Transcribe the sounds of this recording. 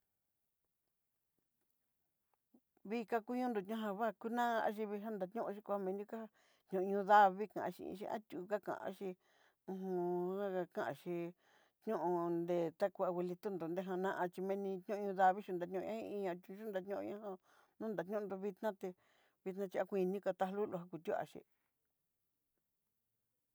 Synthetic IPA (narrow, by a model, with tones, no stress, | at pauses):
βi˦ka˧ku˦ɲũ˦nd̪o˨t̪ɲã˦ɦã˧βa˦˨ku˧nã˦˧a̰˧˦ʃ̬i˧βi˧ɦa˦nd̪a˧t̪ɲũ˦ʔʃ̬i˦ku˧a˦mẽ˧nũ˦ka˦a˧ | ɲũ˨ʔɲũ˧ða˧βi˦kã̰˨ʔã̰˧ʃḭ˧ḭ̃˧ʃḭ˧ʔã̰˦t̪ʲuː˨˧ka˦kã̰˨ʔã̰˧a˦ʃi˧ | ũ˧ɦũ˧a˦a˧kã˦˨ʔã̰˧ʃi˧ | t̪ɲũ˦ʔõ˧nd̪e˧˨t̪a˦ku˧a˧we˧li˧t̪u˦nd̪o˨nd̪e˦ɦã˧nã˦ʔã˧t͡ʃi˧mẽ˧nĩ˧t̪ɲũ˦˧ũ˧ða˧βi˦ʃi˧nd̪a˨˧ɲũ˦˧ã˦ḭ̃˧ĩ˧ã˧t̪ʲu˧ʃu˦nd̪a˧t̪ɲõ˦õ̰˧ɲã˦ã˧ | nũ˦nd̪a˨t̪ɲũ˦˧nd̪o˧βi˧t̪nã˦t̪e˧ | βi˧t̪nã˧t͡ʃi˧a˧kʷĩ˧nĩ˦ka˧t̪a˧hlu˦lo˧ɦa˧ku˧t̪ʲu˦a̰˧ʃḭ˧˨